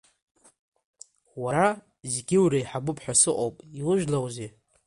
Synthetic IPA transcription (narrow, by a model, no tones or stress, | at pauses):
waɾa | zɡʲɪwɾaiħabʊpʰħʷᶣasɨqʼowpʼiwʊʒᶣlawze